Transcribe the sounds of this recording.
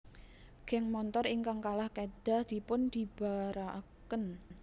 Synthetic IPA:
ɡ̥ɛŋmɔnt̪ɔɾiŋkaŋkalahkeɖ̥a̤hd̪̥i̤pʊnd̪̥i̤b̥a̤ɾakən

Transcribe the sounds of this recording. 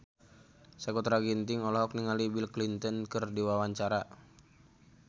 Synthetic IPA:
sakɔt̪ɾaɡint̪iŋɔlɔɦɔkniŋalibilklint̪ɔnkɨrdiwawaɲt͡ʃaɾa

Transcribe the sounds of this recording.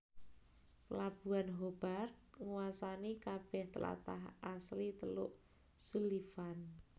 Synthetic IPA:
pəlab̥ṳanɦob̥art̪̚ŋuwasanikab̥ɛht̪əla̰t̪a̰ɦʔaslit̪əlʊʔ | sulifan

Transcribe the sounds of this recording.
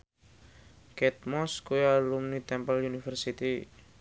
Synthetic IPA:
kɛt̪̚mɔskujalumnit̪ɛmpəljunifərsit̪i

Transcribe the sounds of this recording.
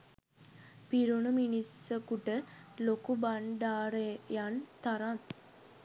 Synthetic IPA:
piɾunuminisəkuʈəlokubaɳɖaːɾejant̪aɾaŋ

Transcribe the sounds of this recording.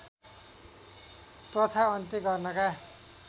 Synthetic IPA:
prʌt̪ʰaʌnt̪iɡʌrnʌka

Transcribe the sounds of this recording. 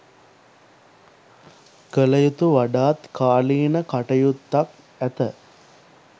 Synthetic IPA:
kələjut̪uʋaɖaːt̪kʰaːliːnəkaʈəjut̪ːak | æt̪ə

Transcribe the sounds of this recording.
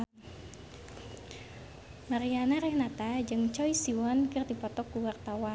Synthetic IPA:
maɾianaɾɛhnat̪ad͡ʒɨŋt͡ʃɔisiwɔnkɨrdipɔt̪ɔkːuwart̪awan

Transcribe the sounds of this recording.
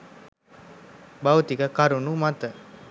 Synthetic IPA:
bɐwt̪ikəkaɾunumat̪ə

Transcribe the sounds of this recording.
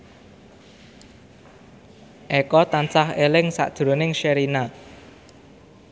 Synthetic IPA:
ʔɛkɔt̪ant͡sahelɪŋsa̰d̪̥ɾonɪŋʃeɾina

